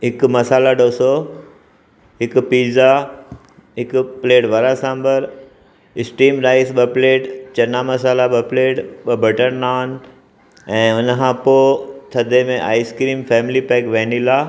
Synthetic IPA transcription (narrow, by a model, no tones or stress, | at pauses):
ɦɪkmɐsaːlaɗoːso | ɦɪkpiːza | ɦɪkpleːʈʋɐɾasãːmbəɾ | ɪsʈiːmɾaːɪsɓəpleːʈt͡ɕɐnamɐsaːlaɓɐpleːʈɓəbʱɐʈənnaːn | ɛ̃ːʊnkʰãːpoːt̪ʰɐd̪ʱemẽʔa̰ːɪskɾiːmfɛːmɪlipɛːkʋɛ̃ːnilaː